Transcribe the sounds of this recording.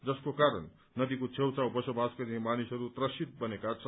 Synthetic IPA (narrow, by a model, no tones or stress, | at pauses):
d͡zʌskokaɾʌ̰nː | ʌd̪ikot͡sʰewt͡sawbʌsobʱaskʌɾiɦĩmanisɦʌɾut̪rʌsit̪̚bʌnekat͡sʰʌ